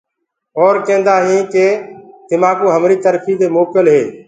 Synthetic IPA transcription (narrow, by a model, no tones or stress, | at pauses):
oːɾkẽːnd̪aːɦĩːkeːd̪̥ɪmaːkoːɦəmɾiːt̪əɾpʰiːd̪eːmoːkəlɦeː